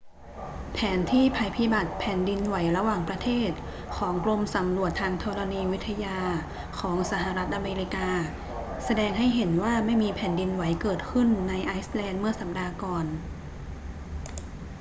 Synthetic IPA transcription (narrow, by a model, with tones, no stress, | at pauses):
pʰɛː˩˦nt̪ʰiː˥˩pʰa˧jpʰi˧˦˥ba˨˩t̪̚pʰɛː˩˦ndi˧nwa˩˦jɾa˧waː˨˩ŋpɾa˧t̪ʰeː˥˩t̪̚ | kʰɔː˩˦ŋklo˧msa˩˦mɾu˨˩ət̪ʰːaː˧ŋt̪ʰɔː˧la˧niː˧wi˦˥t̪ʰːa˧jaː˧ | kʰɔː˩˦ŋsa˩˦ɦa˨˩ɾa˦˥t̪̚ʔa˧meː˧ɾi˧kaː˧ | sa˧dɛː˧ŋɦa˥˩jɦe˩˦nwaː˥˩ma˥˩jmiː˧pʰɛː˩˦ndi˧nwa˩˦jkɤː˨˩t̪̚kʰɯ˥˩nːa˧jʔaː˦˥jslɛː˧nmɯ˥˩ɐsa˨˩p̚daː˧kɔː˨˩n